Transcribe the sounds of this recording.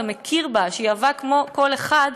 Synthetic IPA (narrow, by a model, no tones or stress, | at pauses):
mekʰiʁbaʃejavakmo̞ko̞le̞χad